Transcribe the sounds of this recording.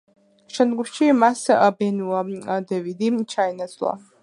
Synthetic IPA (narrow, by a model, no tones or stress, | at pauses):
ʃɛnd̪ɡuʃimasabɛnuaad̪ɛvid̪it͡ʃʰainasʼla̰